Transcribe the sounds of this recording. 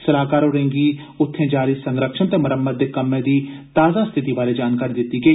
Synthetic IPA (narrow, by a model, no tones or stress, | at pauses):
səlaːkaːɾɦʊːɾẽːŋɡiː | ʊt̪ʰːẽːd͡ʒaːɾiːsəŋɡɾəkʃənt̪eːməɾəmːəd̪̚ːeːkəmːẽːd̪iːt̪aːzãːst̪ʰɪt̪iːbaːɾeːd͡ʒaːnkaːɾiːd̪ɪt̪ːiːɡəiː